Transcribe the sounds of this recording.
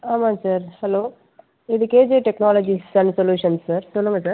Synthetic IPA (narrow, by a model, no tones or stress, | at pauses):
aːmãːsaːɾhɐloː | ɪðɯkeːd͡ʒeːʈɛknaːlɐd͡ʒisɐnsɔljuːʂɐnsːaːɾsɔlːɯŋɡɐsaːɾ